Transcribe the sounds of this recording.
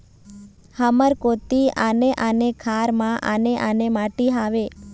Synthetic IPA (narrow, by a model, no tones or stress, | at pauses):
həməɾkot̪ianeʔanekʰaɾmãʔa̰neʔanemaʈiɦaʋe